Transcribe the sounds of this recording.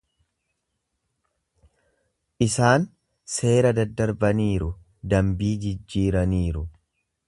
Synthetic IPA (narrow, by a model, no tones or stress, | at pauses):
ʔɪsaːn | se̞ːɾɐd̪ɐd̪ːɐɾbɐniːɾʊ | d̪ɐmbiːd͡ʒɪd͡ʒːiːɾɐniːɾʊ